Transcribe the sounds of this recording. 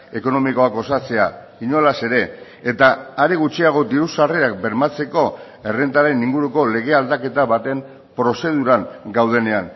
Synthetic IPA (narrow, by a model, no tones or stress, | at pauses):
e̞ko̞no̞miko̞ako̞sat͡se̞a | iɲolase̞ɾe̞ː | t̪aːɾeɣ̞ut͡ʃiaɣ̞o̞d̪iɾusareak̚be̞ɾmat͡se̞ko̞ | e̞rent̪aɾe̞niŋɡuɾuko̞le̞ɣ̞e̞ald̪ake̞t̪aβat̪e̞m | pɾo̞se̞ð̞uɾaŋɡawð̞e̞ne̞an